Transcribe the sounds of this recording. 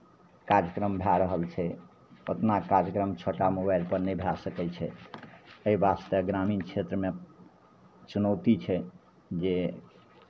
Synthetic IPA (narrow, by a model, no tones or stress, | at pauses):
kaɾjəkɾəmbʱaɾəɦəlt͡ʃʰɛ | ot̪nakaɾjəkɾəmt͡ʃʰoʈamubajɾpəɾnebʱjasəkɛt͡ʃʰɛ | əibast̪əɡɾamint͡ʃʰet̪ɾəme | t͡ʃunəwt̪it͡ʃʰɛ | d͡ʒe